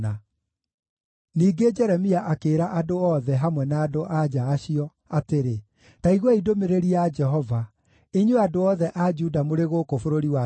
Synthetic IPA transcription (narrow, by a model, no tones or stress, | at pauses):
a | niːɡed͡ʒɛɾɛmiaʔakeːɾaʔadoɔðɛɦamwɛnaːdoʔad͡ʒaːɕiɔ | ateɾe | taiɣwɔidomeɾeɾiad͡ʒɛɦɔva | eɲweadoɔðɛʔad͡ʒudamoɾeɣokofoɾoɾiwa